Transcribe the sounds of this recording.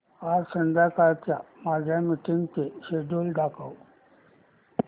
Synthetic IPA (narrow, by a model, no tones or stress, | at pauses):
aɾsənd̪ʱakaɾt̪jamad͡ʑʱjamiʈiŋɡt̪eɕeɖolɖakʰaw